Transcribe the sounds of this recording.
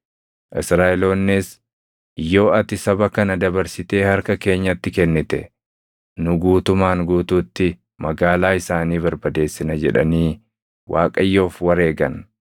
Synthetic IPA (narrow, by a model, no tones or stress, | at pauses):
ʔɪsɾaːɛlo̞ːnːɪs | jːo̞ːɐt̪ɪsɐbɐkɐnɐd̪ɐbɐɾsɪt̪e̞ːhɐɾkɐke̞ːɲːɐt̪ːɪkɛnːɪt̪ɛ | nʊɡuːt̪ʊmaːŋɡuːt̪uːt̪ːɪ | mɐɡaːlaːɪsaːniːβɐɾbɐd̪e̞ːsːɪnɐd͡ʒɛᶑɐ̰niː | wʔaːkʼɐjːo̞ːfwɐɾe̞ːɡɐn